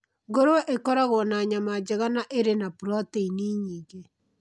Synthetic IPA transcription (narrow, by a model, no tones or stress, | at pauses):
ɡoɾwɛʔekɔɾaɣonaɲamad͡ʒeɣanaʔeɾenapuɾɔteiniːɲiːɡe